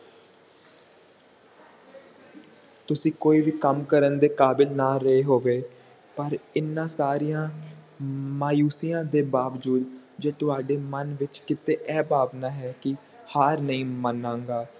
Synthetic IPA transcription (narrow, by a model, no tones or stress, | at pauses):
t̪ʊsĩːkoːiːʋiːkəmkəɾənd̪eːkaːbɪlnaːɾəeːɦoːʋeː | pəɾɪnːãːsaːɾijãː | maːjuːsijãːd̪eːbaːʋd͡ʒuːd̪d͡ʒeːt̪ʊaːɖeːmənʋɪt͡ʃkɪt̪eːʔɛːbaːʋnaːɦɛːkɪ | haːɾnəĩːmənãːŋɡaː